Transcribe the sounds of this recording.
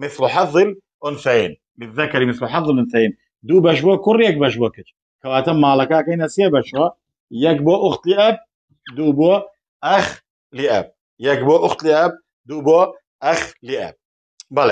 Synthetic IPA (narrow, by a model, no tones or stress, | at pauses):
mɪθlʊħɑðˤːɨl | ʔʊnθaiːn | bɪðːakaɾimɪθlʊħɑðˤːɨlʔʊnθaʕiːn | d̪uːbaʃ̬bakʊɾːjak̚baʃ̬bakɪt͡ʃ | kawaːt̪amːalakaːkainasiabaʃwa | jaɡ̚baʔʊxt̪lɪʔab̚ | d̪ubua | ʔax | lɪʔa̰b̚ | jaɡboʔʊxt̪lɪʔab̚ | d̪uba | ʔaxlɪʔa̰b̚ | bale